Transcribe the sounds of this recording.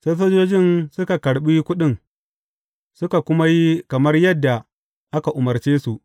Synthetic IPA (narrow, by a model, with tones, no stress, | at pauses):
se˦soː˦d͡ʒoː˦d͡ʒɪ˦nsʊ˦ka˨kɐ˨ɽɓiː˦kʷʊ˦ɗɪ˦˨ŋ | sʊ˦ka˨kʷʊ˦ma˦ji˦kɐ˨mɐ˦rjɐ˦dːa˨ | ʔa˦ka˨ʔʊ˨mɐ˨rt͡ʃeː˦su˨ʔ